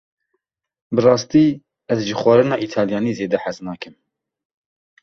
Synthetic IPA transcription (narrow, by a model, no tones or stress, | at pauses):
bɨrɑːst̪iː | ɛzʒixwɑɾɨnɑːʔit̪ʰɑːljɑːniːzeːd̪ɛħaznɑːkɨm